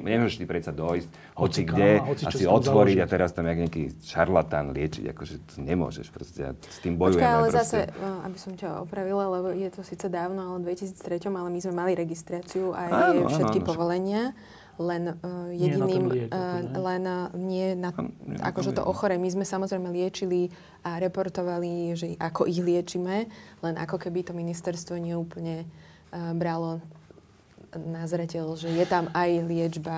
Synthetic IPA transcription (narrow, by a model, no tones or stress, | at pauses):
ɲɛmʊɔʒɛʃt̪ipɾɛt̪t͡sad̪ɔjsc | hɔt͡siɡɟɛasiiɔt̪ʋɔɾiɟat̪ɛɾast̪amaɡɲakḭʃaɾlat̪anlɪɛt͡ʃḭɟa̰kɔʒɛt̪ɔɲɛmʊɔ̰ʒɛ̰ʃpɾɔscɛa̰st̪iːmbɔjuɛaalɛzasɛa̰bisɔmcaɔ̰pɾaʋilalɛbɔjɛt̪ɔsiːt͡sɛd̪aːʊnɔalɛd̪ʋɛcisiːt͡st̪ɾɛcɔmalɛmizmɛmaliɾɛɡist̪ɾaːt͡siuʔajfʃɛt̪kipɔʋɔlɛɲɪa | lɛnjɛɟiniːm | lɛnɲɪɛnaa̰kɔʒɛt̪ɔ̰ʔɔxɔɾɛmizmɛsamɔzɾɛjmɛlɪɛt͡ʃili | aɾɛpɔɾt̪ɔʋaliʒɛakɔʔiɣlɪɛt͡ʃimɛlɛnʔa̰kɔkɛbit̪ɔminist̪ɛɾst̪ʋɔɲɪɛuːpl̩ɲɛ | bɾalɔ | nazɾɛcɛlʒɛjɛt̪amajlɪɛd͡ʒba